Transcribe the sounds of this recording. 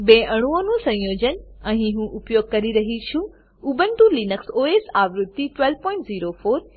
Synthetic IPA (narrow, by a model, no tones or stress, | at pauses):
beːʔɐɽ̃uõnũsɐ̃jjoːd͡ʑənɛ̃ːiɦũːʔʊpjoːɡ̚kɐɾiɾɐɦit͡ɕʰu | ʊbʱənɪ̆t̪ũːlinəksoːeːsaːʋɾʊt̪ːiʈʋelʋpɔ̃ːɪɳʈziːɾofoːɾ